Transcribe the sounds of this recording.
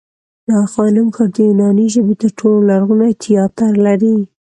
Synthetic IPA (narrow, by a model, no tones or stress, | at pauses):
nɑxɑnɪmkɑɾd̪əjunɑniʒəbet̪əɾʈʰololaɾɣunat̪ʰɪjɑt̪aɾlaɾi